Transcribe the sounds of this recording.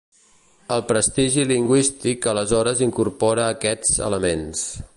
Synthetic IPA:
əlˠpɾəst̪iʒiliŋɡwist̪ikələzɔɾəziŋkurpɔɾəːkɛd͡zə̰ləmens

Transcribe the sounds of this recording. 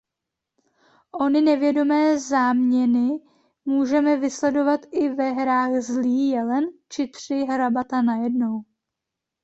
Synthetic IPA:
ʔo̞nɪnɛvjɛdo̞mɛːzaːmɲɛnɪ | muːʒɛmɛvɪslɛdo̞vat̪ɪvɛɦɾaːxzliːjɛlɛnt͡ʃɪt̪r̝̥ɪɦɾabat̪anajɛdno̞w

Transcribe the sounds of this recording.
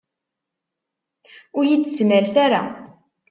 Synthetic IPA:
ʊɾjid̪snælt̪aɾa̰

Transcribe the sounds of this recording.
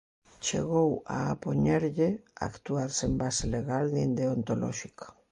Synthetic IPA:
t͡ʃḛɣ̞owa̰ːpo̞ɲeɾʎea̰kt̪uaɾsembaseleɣ̞alnind̪eont̪olo̰ʃikḁ

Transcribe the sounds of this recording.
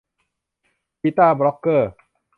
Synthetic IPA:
kit̪abɾɔkə

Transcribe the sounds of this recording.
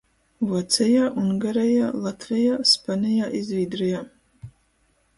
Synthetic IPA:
wat͡sʰajaːʔunɡaɾajaːlˠat̪ʰvɛjaːspanijaːʔizviːd̪rajaː

